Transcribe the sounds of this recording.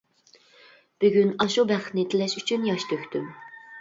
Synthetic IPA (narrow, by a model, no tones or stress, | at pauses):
b̥yɡʲynɑʃubæχt̪nɪt̪ʰɪlɛʃyt͡ʃʰynjɑʃt̪ʰøkʲt̪ʰym